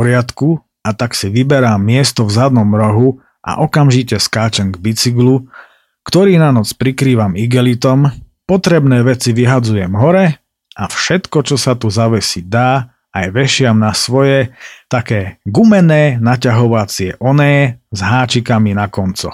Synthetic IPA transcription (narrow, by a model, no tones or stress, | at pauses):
ɔɾɪat̪ku | at̪aksiʋibɛɾamːɪɛst̪ɔvzad̪nɔmɾɔɦu | ʔa̰ʔɔkamʒicɛskaːt͡ʃɛŋɡbit͡siɡlu | kt̪ɔɾiːnanɔt͡spɾikɾiːʋamiɡɛlit̪ɔm | pɔt̪ɾɛbnɛːʋɛt͡siʋiɦad͡zujɛmɦɔɾɛ | ʔafʃɛt̪kɔt͡ʃɔsat̪uzaʋɛsid̪aː | ajʋɛʃɪamnasʋɔjɛt̪akɛːɡumɛnɛːnacaɦɔʋat͡sɪɛʔɔnɛːɛzɦaːt͡ʃikaminakɔnt͡sɔ̰